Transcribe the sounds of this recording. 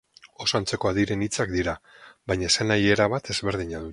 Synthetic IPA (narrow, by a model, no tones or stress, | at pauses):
o̞sant͡se̞ko̞aðiɾe̞nit͡sakd̪iɾaβajɲase̞naje̞ɾaβat̪e̞zβe̞ɾð̞iɲaðu